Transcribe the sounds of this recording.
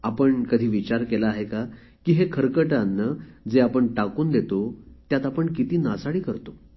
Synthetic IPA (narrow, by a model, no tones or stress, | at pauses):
apəɳkəd̪ʱiːʋit͡ɕaɾkelaːɦeka | kiːɦekʰəɾkəʈanːəd͡zeapəɳʈakuːnd̪et̪ot̪jat̪apəɳkit̪iːnasaɽiːkəɾt̪o